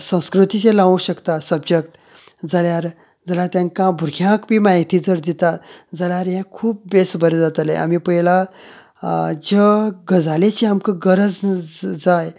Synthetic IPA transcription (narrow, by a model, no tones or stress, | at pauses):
sə̃w̃skɾut̪it͡sẽlaʋũɕəkt̪asəbd͡ʑek̚ʈ | d͡zaljaɾ | d͡zəljaɾt̪jãŋkãbʱuɾɡʰjãkbʱiːmaɦit̪iːd͡zəɾd̪it̪at̪d͡zaljaɾjɛ̃kʰuːp̚besbəɾed͡zat̪lḛa̰mipəɦjla | d͡ʑəɡəd͡zalet͡ɕiamkəɡəɾəd͡zd͡zaj